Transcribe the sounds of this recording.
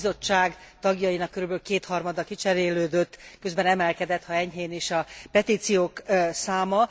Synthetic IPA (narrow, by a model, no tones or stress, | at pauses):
zo̞t͡ʃːaːɡt̪ɒɡjɒjinɒkːøɾybølkeːt̪hɒrmɒd̪ɒkit͡ʃɛɾeːløːd̪øt̪ːkø̞zbɛnɛmɛlkɛd̪ɛt̪hɒɛɲɦeːneːʃɒpɛt̪iːt̪sijoːksaːmɒ